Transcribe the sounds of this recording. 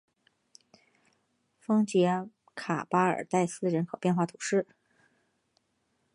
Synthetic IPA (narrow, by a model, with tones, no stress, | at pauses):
fɤ˥ŋt͡ɕjɛ˧˥ | kʰa̰˨˩pa˥ə̰˞˨˩t̪a˥˩ɪsɹ̩˥ɻə˧˥nkʰo˨˩ʊpjɛ˥˧nxwa˥˩t̪ʰu̥˨˩ʂɻ̩˥˩